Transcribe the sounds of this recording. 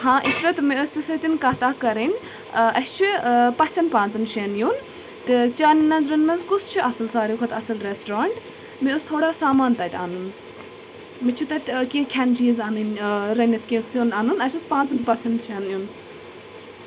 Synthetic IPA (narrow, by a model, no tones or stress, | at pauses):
ɦãːʔiʃɾɐt̪miost̪isɐt̪ʲinkɐːt̪aːkɐɾinʲ | ɐst͡ʃʰipɐsʲɐnpãːnt͡sɨnʃeːnjun | t̪ɨt͡ʃʲaːninɐnzɾɐnmɐnzkust͡ʃʰiʔɐsɐlsaːɾikʰɐt̪ɐsɐlɾesʈɾaːɳʈ | miost̪ʰoːɽaːsaːmaːnt̪ɐt̪ʲa̰ːnun | mit͡ʃʰit̪ɐt̪ʲkĩːkʲʰɐnd͡ʒiːzɐnɨnɾɐnʲɐt̪ʰkʲẽːsunɐnunɐsʲuspãːnt͡sɨnpɐsɐnt̪ʃeːnjun